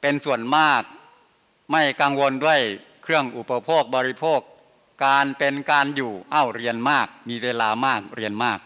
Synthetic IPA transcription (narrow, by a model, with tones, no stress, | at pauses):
pe˧nsu˨˩ənmaː˥˩k̚ | ma˥˩jkaː˧ŋwo˧ndu˥˩əj | kʰɾɯ˥˩əŋʔu˨˩pa˧pʰoː˥˩k̚bɔː˧ɾi˦˥pʰoː˥˩kː | aː˧npe˧nkaː˧njuː˨˩ʔa˥˩wɾi˧ənmaː˥˩k̚miː˧weː˧laː˧maː˥˩k̚ɾi˧ənmaː˥˩k̚